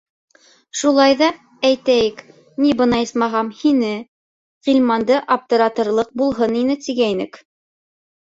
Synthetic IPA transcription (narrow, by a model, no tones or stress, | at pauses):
ʃulˠɑjðɑ | æjt̪æjɘk | nibɤ̆nɑjɤsmɑʁɑmhinɘ | ʁilʲmɑnd̪ɤʔap̚t̪ɤ̆ɾɑt̪ɤ̆ɾlˠɤq̚bulˠɦɤninɘt̪iɡæinɘ̰k